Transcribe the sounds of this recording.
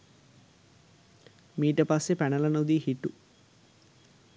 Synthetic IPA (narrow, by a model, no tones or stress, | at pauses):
miːʈɐpaːsepɛnɐlɐnud̪iːhiʈːu